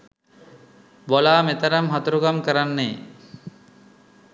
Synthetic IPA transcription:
bolaːmet̪əɾamɦat̪uɾuɡamkəɾanːeː

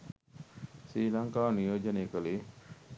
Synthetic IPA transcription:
sɾiːlɐŋkaːnijoːd͡ʒɐneːkɐliː

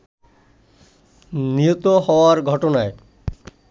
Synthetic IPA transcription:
niot̪oɦɔoaɾɡʱɔʈonae

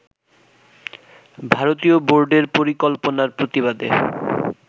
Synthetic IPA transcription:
bʱaɾot̪ioboɾɖeɾpoɾikolponaɾpɾot̪iβad̪ḛ

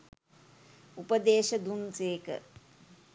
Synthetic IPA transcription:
upəd̪eːʃəd̪unseːkə̰

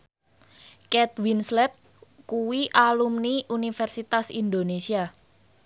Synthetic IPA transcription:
kɛt̪̚winslɛt̪̚ | kuwiʔalumniʔunifɛrsit̪asḭnd̪onesia

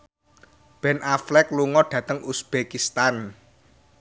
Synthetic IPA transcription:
b̥ɛnaflɛkluŋɔɖ̥ä̤t̪əŋusb̥ekist̪an

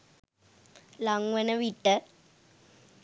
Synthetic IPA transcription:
laŋʋɐnɐʋiʈːə

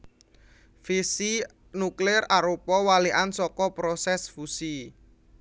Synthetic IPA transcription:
fisi | nuklɪraɾopɔwaliʔansɔkɔpɾɔsɛsfusi

